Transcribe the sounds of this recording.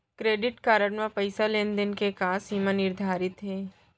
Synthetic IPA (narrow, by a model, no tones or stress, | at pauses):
kɾeːɖɪʈkaːɾəɽmãpɐɪsaleːnd̪ənkekaːsimãnɪɾd̪ʱaːɾɪt̪ɦɛː